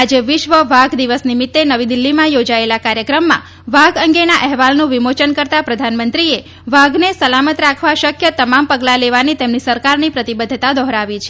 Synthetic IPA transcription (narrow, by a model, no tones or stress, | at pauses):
ad͡ʒeʋɪʃʋəʋaɡd̪iʋəsnimɪt̪ːenəʋid̪ilːimãjod͡ʒaelakaɾjəkɾəmːã̰ | ʋaɡəŋɡenaʔɛɦʋalnũʋimot͡ʃənkəɾt̪apɾəd̪ʱanmənt̪ɾie | ʋaɡnesəlamət̪ɾakʰʋaʃəkʰjət̪əmampəɡlaleʋanit̪emnisəɾkaɾnipɾət̪ibəd̪ʱːt̪ad̪ɔɦɾaʋit͡ʃʰe̥